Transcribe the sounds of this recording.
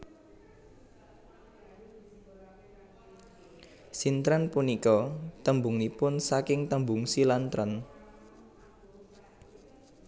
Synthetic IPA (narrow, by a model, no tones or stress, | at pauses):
sint̪ɾanpunikɔt̪əmbuŋnipʊnsakɪŋt̪əmbʊŋsilant̪ɾən